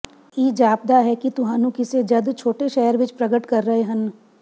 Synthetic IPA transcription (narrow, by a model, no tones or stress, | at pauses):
iːd͡ʒaːb̚d̪aɦɛkit̪ʊɦaːnũkɪsed͡ʒɐd̪t͡ʃʰoːʈeʃɛːəɾʋɪt͡ʃpɾɐɡəʈkɐɾːəɦeɦɐn